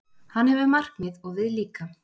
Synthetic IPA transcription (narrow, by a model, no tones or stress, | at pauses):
hanhɛvʏmar̥kmɪðɔɣvɪðliːka